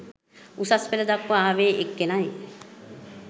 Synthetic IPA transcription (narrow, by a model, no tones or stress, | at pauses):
usaspeləd̪akʋaaːʋeːʔekːenaji